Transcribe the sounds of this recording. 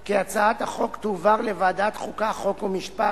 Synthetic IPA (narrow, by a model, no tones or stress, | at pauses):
kiat͡saat̪haχo̞kt̪uvaʁlevaːdat̪χukaχo̞komiʃpa